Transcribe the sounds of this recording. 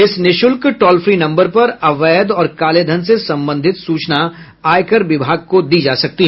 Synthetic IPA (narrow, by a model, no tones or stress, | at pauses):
ɪsnɪʃʊlkʈɔːlfɾinɐ̃mbəɾpɐɾɐʋɛːd̪ɔːɾkaːled̪ʱənsesɐ̃mbə̃nd̪ʱɪt̪suːt͡ʃna | aːjkəɾʋɪbʱaːɡ̚kod̪iːd͡ʒaːsɐk̚t̪iɦɛ